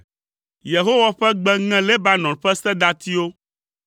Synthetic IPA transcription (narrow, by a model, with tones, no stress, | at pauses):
je˨ɦo˦wa˦ɸɛ˦ɡ͡bɛ˦ŋɛ̃˦le˦ba˦nɔ̃˨ɸɛ˦sɛ̃˦d̪a˦t̪i˦o˦